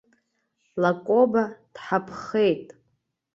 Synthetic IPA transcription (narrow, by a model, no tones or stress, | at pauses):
lakʷʼobad̥ħapʰχe̞jtʼ